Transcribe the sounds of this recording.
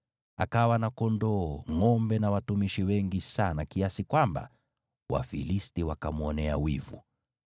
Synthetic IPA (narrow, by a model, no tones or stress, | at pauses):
a̰kawanakɔndɔːŋɔmbɛnawatumiʃiwɛŋɡisanakiasikwamba̰ | wʔa̰filistiwakamuɔnɛa̰wḭvṵ